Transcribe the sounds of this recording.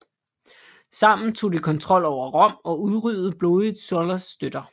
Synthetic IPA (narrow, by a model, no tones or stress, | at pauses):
sɑ̈m̰n̩t͡sʰo̝̰ːd̥ikʰɒ̽nt͡sʰʁɒ̽l̰ɒʊ̰ɐʁɒ̽m̰ɒ̽uðˠʁyðð̩ˠb̥lo̝ːðˠid̥ˠsɔlɐsːd̥ød̥ɐ